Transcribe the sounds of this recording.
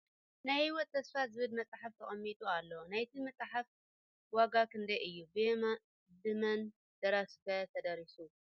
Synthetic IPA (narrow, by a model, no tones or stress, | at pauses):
najhiwɔt̪ːʰɐsfazɨβɨlmɐt͡sʼaħaft̪ʰɐχʼɐmːit̪ʼualːonajt̪ʰimɐt͡sʼaħaf | waɡakʰɨnd̪ɐjɨjːub | bɨmɐn | d̪̥ɐɾaskʰɐt̪ʰɐd̪ɐɾisu